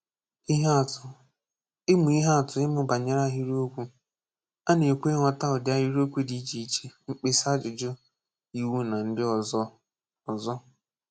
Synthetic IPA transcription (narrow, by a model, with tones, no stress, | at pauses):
i˦ɦa˦˨tʊ˨ | ɪ˦mʊ˨i˦ɦa˦a˨tʊ˨ɪ˦mʊ˦ba˨ɲe˦ɾa˦ɦi˦ɾo˦kʷu˦ | a˦ne˨kʷe˦ŋɔ˨ta˦ʊ˨da˦ɦi˦ɾo˦kʷu˦di˦t͡ʃi˨i˦t͡ʃe˦ŋ͡m̩˦k͡pe˦sa˦d͡ʒʊ˨d͡ʒo˦ | i˨wu˦na˨n̩˦dɪ˦ɔ˨zɔ˦ | ɔ˨zɔ˦